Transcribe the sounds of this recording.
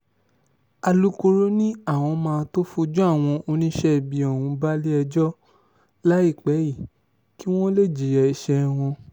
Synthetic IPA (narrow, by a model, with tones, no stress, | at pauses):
a˧lu˦ko˧ɾo˦nĩ˦a˦˨w̃ɔ̃˧mãː˧to˦fu˧d͡ʒɔ˦a˦˨w̃ɔ̃˧o˧nĩ˦ʃɛ˦˨bi˧ɔ˨ũ˨˧ba˦li˦ɛ˧d͡ʒɔ˦ | la˦i˦˨k͡pɛ˨˦ji˦˨ | ki˦w̃ɔ̃˦le˦˨d͡ʒi˨jɛ˧i˧ʃɛ˧w̃ɔ̃˧